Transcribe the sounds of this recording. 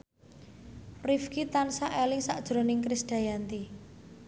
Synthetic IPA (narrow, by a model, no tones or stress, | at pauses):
rifkit̪ansaʔelɪŋsaʔd̥ʒ̥ɾo̤nɪŋkɾɪsd̥a̤jant̪i